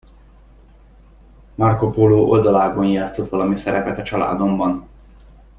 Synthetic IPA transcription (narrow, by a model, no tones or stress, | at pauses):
mɒrkopoloːʔold̪ɒlaːɡo̞njaːt̪so̞t̪ʋɒlɒmisɛɾɛpɛt̪ɒt͡ʃɒla̰ːd̪o̞mbɒn